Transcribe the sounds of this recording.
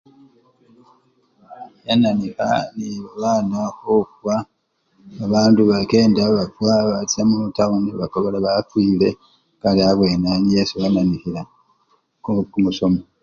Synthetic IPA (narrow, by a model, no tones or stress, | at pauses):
jananixa̰niβaβaːnahokuwaː | βaːnduβake̞ːndaβafwaβatiamuutauniβako̞βelaβafwiːle̞ | kaliaβwe̞nanjesujananihiɾa | kukumuso̞mo